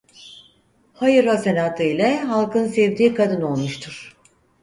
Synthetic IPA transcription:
hajɯɾasenaːt̪ʰɯilʲɛɦalˠkɯnsɛvd̪iːkʰad̪ɯno̞lˠmuʃt̪ʰuɾ̥

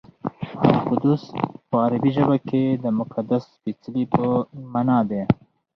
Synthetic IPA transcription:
a̰qʊd̪uspəaɾabiʒəbaked̪əmʊkad̪asfit͡slipəmanɑd̪e

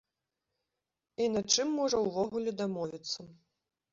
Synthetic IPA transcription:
inat͡ʂɨmːɔʐɐwvɔɣulʲɛd̪amɔvʲit̪sːɐ

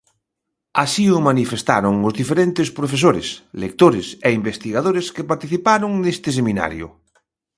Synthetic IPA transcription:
asiʊmanifest̪a̰ɾoŋʊzðifeɾent̪ɪspɾofes̬oɾḛslḛk̚t̪oɾeseimbest̪iɣaðoɾeskepaɾt̪iθipaɾʊŋnest̪ɪs̬emina̰ɾjʊ̰

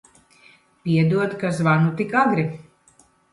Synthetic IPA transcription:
pʲiɛd̪uɔt̪kazvanut̪ikaɡɾi

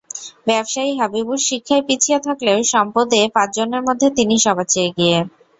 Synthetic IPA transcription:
bɛbʃaiɦabibuɾʃikʰːaepit͡ɕʰiet̪ʰakleʊʃɔmpod̪epãt͡ɕd͡ʑoneɾmod̪ʱːet̪iniʃɔbʱat͡ɕeeɡie

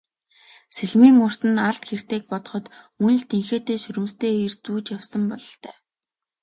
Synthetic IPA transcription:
seɮmiːŋʊr̥t̪ɘ̆naɮt̪xer̥t̪eːk̚pɔt̪ɞ̆χɞ̆t̪mun̆ɮt̪ʰeŋxeːt̪eːʃɵɾʲɘ̆mst̪eːirt͡suːt͡ɕjawsə̆mpɔɮɞ̆ɬt̪œː

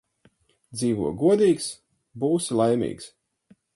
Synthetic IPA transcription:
d̪ziːvuɔɡuɔd̪iːks | buːsilˠajmʲḭːks

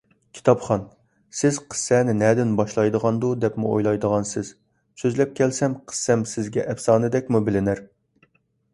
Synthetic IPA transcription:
kʲʰi̥t̪ʰɑpχɑn | sɪz̥qʰə̥sːɛːnɪnɛd̪ɪnbɑʃlˠɑjd̪əʁɑnd̪ud̪ɛpmṵojlˠɑjd̪əʁɑnsɪz̥ | søzlɛp̚kʲʰɛlsɛmqʰə̥sːɛmsɪzɡʲɛʔɛfsɑːnɨd̪ɛk̚ʲmubɪlɪnæɾ

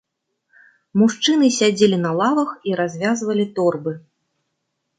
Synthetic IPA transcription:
muʂt͡ʂɨnɨsʲad͡zʲelʲinɐlˠavɐxiɾazʲvʲazvɐlʲit̪ɔrbɨ

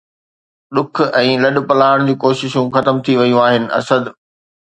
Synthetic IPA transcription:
ɗʊk̆ʰɛ̃ːlɐɗ̆pɐlaːəɽ̃d͡ʑiːkoːʃɪʃũxɐt̪əmt̪ʰiʋɐjũaːɦɪnɪ̆ʔɐ̰səd̪

